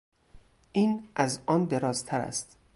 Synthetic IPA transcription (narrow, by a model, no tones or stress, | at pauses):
ʔiːnʔæzʔɒːnd̪e̞ɾɒːzt̪ʰæɾæ̰st̪